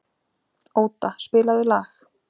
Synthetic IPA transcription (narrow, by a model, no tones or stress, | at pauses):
oːwt̪aspɪːlaðʏlaːx